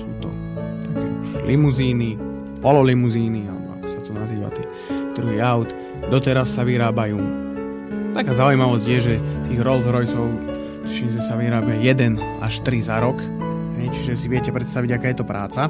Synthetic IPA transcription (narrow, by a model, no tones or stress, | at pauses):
suːt̪ɔ̰ | t̪akɛ̰ulʔimuziːni | pɔlɔlimuziːnialɛ̰bɔ̰a̰kɔ̥sat̪ɔnaziːʋa̰t̪ɪɛ | d̪̥ɾuɦiːaʊt̪ | d̪ɔt̪ɛɾasːaʋiɾaːbajuː | t̪akaːzaujmaʋɔzɟjɛʒɛt̪iːɣɾɔlzɾɔjt͡sɔʊ | t̪iʃizɛsaʋiɾaːbɪajɛd̪ɛn | ʔaʃt̪ɾizaɾɔk | ɦɛjt͡ʃiʒɛs̬iʋɪɛcɛpɾɛt̪st̪aʋiɟakaːjɛt̪ɔpɾʔaːt͡sa